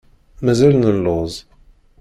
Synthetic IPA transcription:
mæzælnəlːʊzˤ

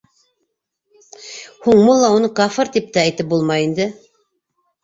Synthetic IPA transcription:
huɴmulˠːɑunɤqɑfɤɾt̪ip̚t̪ææjt̪ɘp̚bulˠmɑjind̪ɘ

